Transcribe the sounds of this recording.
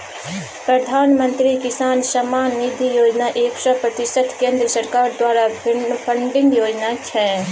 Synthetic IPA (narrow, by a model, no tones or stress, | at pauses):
pɾɐd̪ʱaːnmə̃nt̪ɾikɪsaːnsɐmaːnnid̪ʱijoːd͡ʒnaʔeːksɔpɾɐt̪ɪsət̪ʰkẽːnd̪ɾəsəɾkaːɾd̪waːɾapʰə̃ɳɖɪ̃ŋɡjoːd͡ʒnat͡ʃʰɛ̃ː